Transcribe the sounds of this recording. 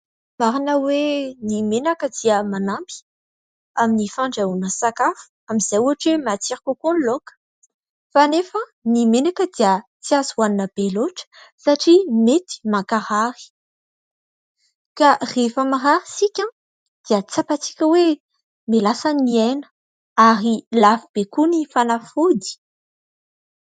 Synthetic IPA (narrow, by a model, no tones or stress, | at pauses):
maɾanəwenimenakəd̪iəmanambi̥ | aminifaɳɖ͡ʐaunəsakafu̥amiz̥ajuaʈ͡ʂwemat͡siɾakokonlokə̥ | fanefənimenakəd̪iə | t͡siazuaninəb̥eloʈ͡ʂə̥saʈ͡ʂimet̪i̥makaɾaɾi̥ | karefamaraɾisikʲã | d̪̥iət͡sapat͡si̥kʲəwe | milasaniɛnə̥ | aɾilafib̥ekunifanafud̪i̥